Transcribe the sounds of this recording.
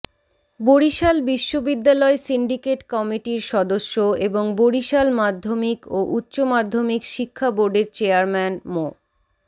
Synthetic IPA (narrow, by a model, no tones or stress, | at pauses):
boɾiʃalbiʃːobid̪ːalɔesiɳɖikeʈkɔmiʈiɾʃɔd̪oʃːoeboŋboɽiʃalmad̪ʱːomikoʔutːɕomad̪ʱːomikʃikʰːaboɾɖeɾt͡ɕeaɾmɛnmo